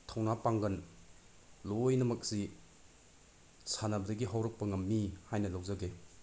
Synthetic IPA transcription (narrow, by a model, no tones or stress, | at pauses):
tʰawnapaŋɡɐn | lojnɐmɐk̚si | sanɐbɐdɐɡiɦawɾɐk̚pɐŋɐmnihajnɐlawzɐɡe